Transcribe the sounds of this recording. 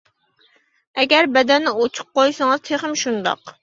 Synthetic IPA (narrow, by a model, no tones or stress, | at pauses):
ɛɡʲɛɾbɛd̪ɛnːɪot͡ʃʰu̥p̚qojsɨŋɨzt̪ʰeχɪmʃund̪ɑ̰q